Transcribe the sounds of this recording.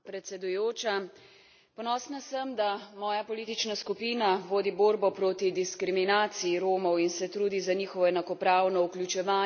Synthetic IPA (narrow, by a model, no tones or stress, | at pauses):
pɾɛt̪sɛd̪ujoːt͡ʃa | pɔnɔsnasəmd̪amɔːjapɔliːt̪it͡ʃnaskupiːnaʋoːd̪iboːɾbɔpɾoːt̪id̪iskɾiminaːt̪sijiɾoːmɔwinsɛt̪ɾuːd̪izaniːxɔʋɔɛnakɔpɾaːwnɔuklʲut͡ʃɛʋaː